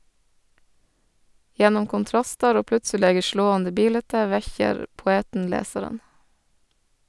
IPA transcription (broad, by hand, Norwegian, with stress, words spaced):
ˈjɛnʊm kʊnˈtɾɑstɑɾ ˈoː ˈplʉtsəleːɡə ˈʃloːɑndə ˈbiːlɛtə ˈʋɛçəɾ pʊˈeːtn̩ ˈleːsɑɾən